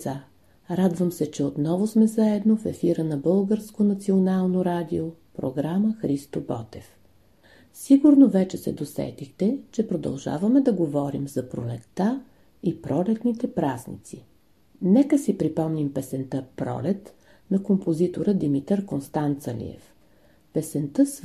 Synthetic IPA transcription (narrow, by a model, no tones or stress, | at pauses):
a | ɾad̪vəmsɛt͡ʃɛot̪nɔvʊsmɛzaɛd̪nofɛfiɾənɐbɤlˠɡəɾskonɐt̪sionalˠnoɾad̪iopɾo̰ɡɾaməxɾist̪obɔ̰t̪ɛf | siɡuɾnovɛt͡ʃɛsɛ̰d̪osɛ̰t̪ixt̪ɛt͡ʃɛpɾod̪ɐ̰lˠʒa̰vɐmɛd̪ɐɡovɔɾimzɐpɾolɛt̪ːa | ipɾɔlɛt̪nit̪ɛpɾaznḭt̪si | nɛkəsipɾipɔmnimpɛsɛnt̪əpɾɔ̰lɛt̪ | nɐkompozit̪oɾəd̪imit̪əɾkonst̪ant̪səlḭɛ̰f | pɛsɛnt̪əs